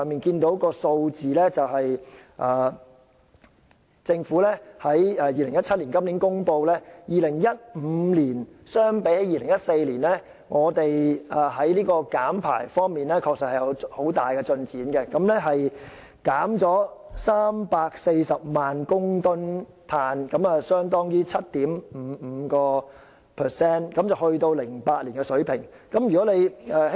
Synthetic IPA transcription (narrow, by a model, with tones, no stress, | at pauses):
ŋmiː˨nkiː˧nt̪o˨˥wkɔː˧so˧wt͡siː˨˩lɛː˥t͡sɐ˨wɦɐ˨jʔaː˨˩ | t͡sɪ˧ŋfuː˨˥lɛː˥hɐ˨˥jɛː˨˧jiː˨lɪ˨˩ŋjɐ˥t̚t͡sʰɐ˥liː˨˩nkɐ˥mliː˨˥nkʊ˥ŋpo˧wlɛː˥jiː˨lɪ˨˩ŋjɐ˥t̚m̩ː˨˧˦liː˨˩nsœː˥ŋpe˨˥jhɐ˨˥jiː˨˧lɪ˨˩ŋjɐ˥t̚se˧jliː˨˩nlɛː˥ | ŋɔː˨˧t̪e˨jaː˨˩ɦɐ˨˥jliː˥kɔː˧kaː˨˥mpʰa̰ː˨˩jfɔː˥ŋmiː˨˩nlɛː˥kʰɔː˧k̚sɐ˨t̚hjɐ˨˧who˨˥wt̪aː˨jkɛ˧t͡sɵ˧nt͡siː˨˥nkɛ˧kɐ˨˥mlɛ˥ɦɐ˨j | kaː˨˥mt͡sɔː˨˥saː˥mpaː˧k̚se˧jsɐ˨p̚maː˨nkʊ˥ŋt̪ʊ˥n | p̪ʰaː˧nkɐ˨˥mɐ˨sœː˥ŋt̪ɔː˥ŋjiː˥t͡sʰɐ˥t̚t̪iː˨˥mm̩˨˧m̩˨˧kɔː˧ | pʰɛ˨˩sɛː˥nkɐ˨˥mt͡sɐ˨whɵ˧ɥt̪o˧wlɪ˨˩ŋpaː˧t̚liː˨˩nkɛ˧sɵ˨˥ɥpʰɪ˨˩ŋ | kɐ˨˦˥mjyː˨˩kɔː˨˥ne˨˧jɛː˧